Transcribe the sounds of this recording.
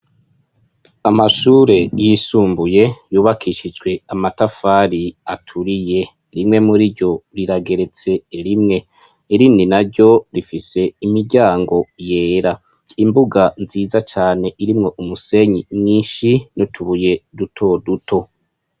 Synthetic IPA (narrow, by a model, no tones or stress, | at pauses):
amaʃuːɾe̞jisuːmbuje̞juːβakʰiʃid͡ʒɡwe̞amatafaːɾiatʰuɾije̞ | ɾimŋe̞muɾiɾjo̞ɾiɾaɡe̞ɾe̞t͡se̞ːɾimŋe̞ | iɾiːninaɾɟo̞ɾifise̞imiɾɟaːŋɡo̞je̞ːɾa | imbuɡanziːzat͡ʃaːne̞ʔiɾimŋo̞ʔumuse̞ɲimŋiːnʃinotʰuβuje̞dutʰo̞dutʰo̞